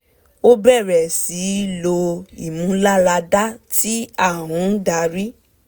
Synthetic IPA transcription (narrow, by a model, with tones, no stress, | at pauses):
o˦bɛ˦˨ɾɛ˨si˨˦lo˧ḭ˦˨mũ˦la˦la˧da˦ti˦a˦˨w̃ɔ̃˨˦n̩˦da˨˦ɾi˦